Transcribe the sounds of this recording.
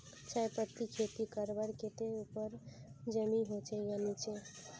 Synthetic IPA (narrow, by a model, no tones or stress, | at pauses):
t͡ʃajpət̪ikʰet̪ikəɾbəɾket̪eupəɾd͡ʒəmiɦot͡ʃʰejanit͡ʃʰe